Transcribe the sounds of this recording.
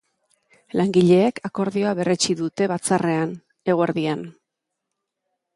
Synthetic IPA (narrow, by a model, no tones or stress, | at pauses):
laŋɡiʎe̞ːkʰako̞ɾðio̞aβe̞re̞t͡ʃiðut̪e̞βat͡sarʔe̞an | e̞ɣ̞oeɾðian